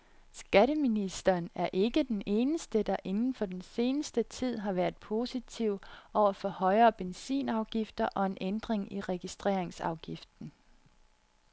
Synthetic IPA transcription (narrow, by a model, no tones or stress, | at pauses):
sɡ̥æɾəminisd̥ɐːnæɐʔe̝ɡ̥əd̥ene̝ːnəsd̥əd̥ɑ̈ʔe̝nn̩fɒ̽d̥ense̝ːnəsd̥ət͡sʰið̞̰ˠɦɑ̈ʋæːɐð̩ˠpʰo̝ːsit͡sʰiʊ̰ɒʊ̰ɐfɒ̽hɒ̽ɪɐːb̥ensḭːnɑ̈ʊɡ̥ifd̥ɐʔɒ̽e̝nʔend̥ʁeŋiʁɛɡ̥isd̥ʁḛɐeŋsɑ̈ʊɡ̥ifd̥n̩